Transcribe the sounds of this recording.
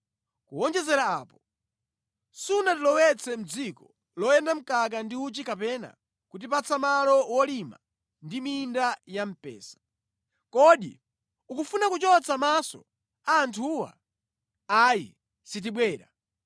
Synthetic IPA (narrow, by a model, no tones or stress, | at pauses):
kuɔnd͡ʒɛzɛɾaaːpɔ | suunatilɔwɛt͡sʰɛm̩d͡zikɔ | lɔjɛndam̩kak̬andiut͡ʃikapɛna̰ | kut̬ip̬at͡samalɔwɔlima̰ | ndimindajam̩pɛ̰ːsḁ | kɔɗḭ | ukufunakut͡ʃɔt͡samasɔ̰ | aːntʰuwa̰ | ajḭ | sit̬iɓwɛːɾa̰